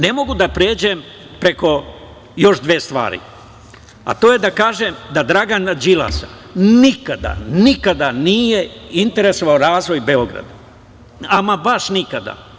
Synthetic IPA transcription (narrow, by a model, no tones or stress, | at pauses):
ne̞mo̞ɡud̪apɾeːd͡ʑe̞m | pɾe̞ko̞ | jo̞ʃd̪ʋest̪ʋa̰ːɾḭ | a̰t̪oːje̞d̪akaːʒemd̪ad̪ɾaɡanad͡ʒila̰sa | nikad̪a̰nikad̪anijeint̪e̞ɾe̞so̞ʋaoɾaːzʋo̞jbe̞o̞ɡɾa̰d̪a | amabaʃnikad̪a̰